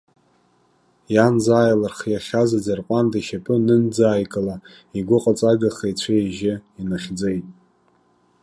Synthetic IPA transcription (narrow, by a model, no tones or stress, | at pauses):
janzaːjalarχjaχʲazad͡zarqʷʼandaʃapʼɨnɨnd͡zaːjkʼala | iɡʷʊqʼat͡sʼaɡaχejt͡ɕʷʰaiʒɪinaχʲd͡zejtʼ